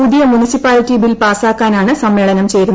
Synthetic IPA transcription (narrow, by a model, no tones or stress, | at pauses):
uðijɐmunisipːaːlitːibilpaːsaːkːaːnaːɳɨsɐmːeːɭɐnɐmt͡ɕe̞jɾunː